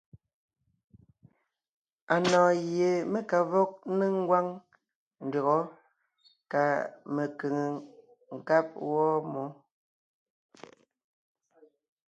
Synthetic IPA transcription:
a˨nɔ̃ː˨ɣje˨me˦ka˨vɔ˦k̚ne˦ŋ̩˦ɡwa˦ŋ | n̩˨dɔ˨ɣɔ˦ | ka˨me˨ke˨ŋe˨ | ŋ̩˨ka˦p̚wɔ˦mɔ˨˦

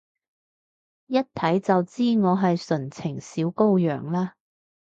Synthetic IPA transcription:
jɐ˥t̚t̪ʰɐ˨˥jt͡sɐ˨wt͡siː˥ŋɔː˨˧ɦɐ˨jsɵ˨˩nt͡sʰɪ˨˩ŋsiː˨˥wko˥wjœː˨˩ŋlaː˥

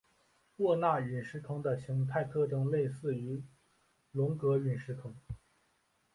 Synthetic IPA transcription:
wɔ˥˧na˥˩y˨˩nʂɻ̩˧˥kʰɤ˧˥ŋd̪ə˨ɕi˧˥ŋt̪ʰa˥˧ɪt̪ʰɤ˥˧ʈ͡ʂɤ˥ŋle˥˧ɪsɹ̩˥˩y˧˥ | lʊ˧˥ŋkɤ˧˥y˨˩nʂɻ̩˧˥kʰɤ˧˥ŋ

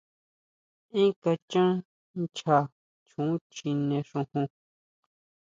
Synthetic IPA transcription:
ĩ˦ka˧t͡ʃã˦ | nt͡ʃa˧ | t͡ʃũ˨˦t͡ʃi˧nẽ˧ʂũ˧hũ˧

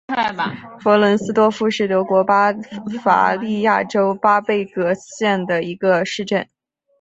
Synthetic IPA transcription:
fə˧˥lə˧˥nsɹ̩˥t̪wɔ˥fu˥ʂɻ̩˥˩t̪ɤ˧˥kwɔ˧˥pa˥fa̰˧˥li˥˧ja˥˩ʈ͡ʂo˥ʊpa˥pe˥˩ɪkɤ˧˥ɕjɛ˥˩nd̪ə˩i˧˥ɡə˧ʂɻ̩˥˧ʈ͡ʂə˥˩n

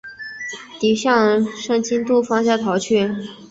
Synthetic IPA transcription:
t̪i˨˩ɕjɑ˥˧ŋʂɤ˥˩ŋt͡ɕi˥nt̪u˥˩fɑ˥ŋɕjɑ˥˩t̪ʰɑ˧˥ʊt͡ɕʰy˥˩

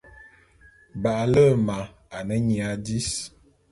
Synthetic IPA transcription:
ba˨ʔlə˦˨ma˨ | a˨nə˦ɲi˨a˨˦di˦s

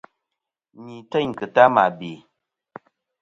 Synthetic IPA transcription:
ɲi˨tɛ˦˨ɲ˨kɨ˨ta˦ma˨be˨

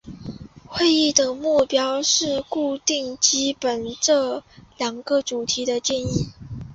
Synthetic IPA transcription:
xwe˥˧ɪi˥˩d̪ə˩mu˥˩pjɑ˥ʊʂɻ̩˥˧ku˥˧t̪i˥˩ŋt͡ɕi˥pə˨˩nʈ͡ʂɤ˥˩ljɑ˨˩ŋɡə˧˥ʈ͡ʂu˨˩t̪ʰi˧˥d̪ə˧t͡ɕjɛ˥˧ni˥˩

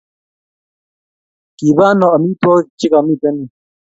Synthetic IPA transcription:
ki˨βa˦nɔ˨a˨mĩ˦t̪wɔ˦t͡ʃi˦ka˨mĩ˦˨tɛ˦ni˨

